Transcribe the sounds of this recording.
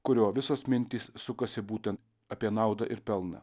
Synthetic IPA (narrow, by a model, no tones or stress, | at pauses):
kʊɾʲoːʋʲɪsoːsmʲɪnʲt̪ʲiːsːʊkɐsʲɪbuːt̪ʲɛnt̪ | ɐpʲiɛnɑˑʊd̪ɐʔɪɾpʲɛlˠnɐ̰